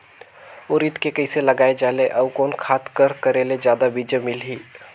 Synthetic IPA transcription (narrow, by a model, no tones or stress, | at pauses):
ʊɾit̪kekəɪselɐɡaːed͡ʒaːleʔɔːkɔːnkʰaːt̪kəɾkəɾeːled͡ʒjaːd̪abid͡ʒəmɪlɦiː